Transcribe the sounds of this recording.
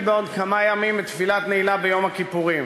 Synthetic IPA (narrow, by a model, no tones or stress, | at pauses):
beod̪kamajamimbet̪filat̪neilabejo̞mhakipuʁim